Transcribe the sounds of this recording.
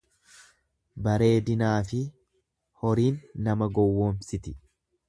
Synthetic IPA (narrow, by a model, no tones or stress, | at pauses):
bɐɾe̞ːd̪ɪnaːfɪ | hɔɾiːnːɐmɐɡɔwːoːnsɪt̪ɪ